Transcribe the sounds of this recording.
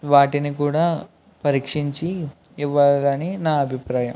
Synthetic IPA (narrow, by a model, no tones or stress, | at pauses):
ʋaːʈinikuːɽaː | pɐɾiːkʂiɲt͡ʃiː | ʋːaːlɐninaːɐbʱipɾaːjɐm